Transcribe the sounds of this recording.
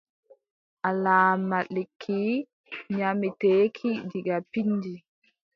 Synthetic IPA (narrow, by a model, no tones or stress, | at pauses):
ʔalaːmaɗekʰːi | ɲamiteːkʰidiɡapinːdi